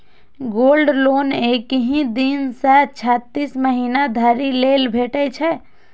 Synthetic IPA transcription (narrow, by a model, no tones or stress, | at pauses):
ɡolɖlonekɦĩd̪insatt͡ʃʰat̪ːisməɦiːnad̪ʱaɾilelbʱeʈɛt͡ʃʰɛ